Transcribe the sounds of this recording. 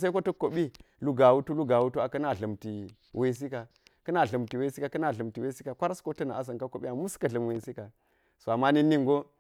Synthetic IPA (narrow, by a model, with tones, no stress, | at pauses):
s̬a˦ko˦tɐ˦ko˨ɓi˦ | lu˦ɡa˨wu˦tu˦lu˦ɡa˨wu˦tu˦a˨kɐ˦na˨ɮə˨mti˨ | we˦s̬i˦ka˨ | kɐ˦na˨ɮə˨mti˨we˦si˦ka˨kɐ˦na˨ɮə˨mti˨we˦si˦ka˨kʷa˦ɾa˦sko˦tɐ˦na˨a˦s̬ɐ˨ŋka˦ko˨ɓi˦a˨mu˦skɐ˨ɮə˨m˨we˨si˦ka˨ | so˨a˨ma˦ni˦ni˦ŋɡo˦